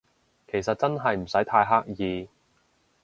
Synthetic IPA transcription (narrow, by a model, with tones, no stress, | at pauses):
kʰe˨˩jsɐ˨t̚t͡sɐ˥nɦɐ˨jm̩˨˩sɐ˨˥jt̪ʰaː˧jɦaː˥k̚jiː˨˧